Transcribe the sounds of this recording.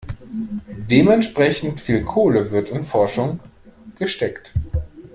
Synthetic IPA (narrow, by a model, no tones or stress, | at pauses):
d̥eːmɛntʃpʁ̥ɛçn̩tfiːlkʰoːləvɪɐtɪnfɔɐʃʊŋ | ɡ̥əʃtɛkt